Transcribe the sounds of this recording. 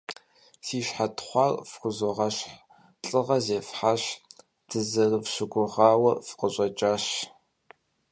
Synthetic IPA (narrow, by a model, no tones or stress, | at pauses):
siːɕħatʰχʷɑrfxʷʊzoʁɐɕħ | ɬʼɨʁɐzeːfħaɕ | d̥ʰɨzɐrɨvɕɪɡʷʊʁɑːwɐfqəɕʼɐt͡ʃʼaːɕ